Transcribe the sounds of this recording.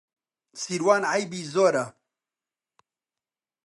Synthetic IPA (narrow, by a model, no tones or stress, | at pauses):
siɾwaːnʕajbiːzoːɾa